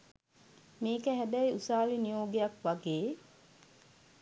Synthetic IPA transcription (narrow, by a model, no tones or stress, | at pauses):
meːkəɦæd̪æiusaːlinijoːɡejakʋaɡeː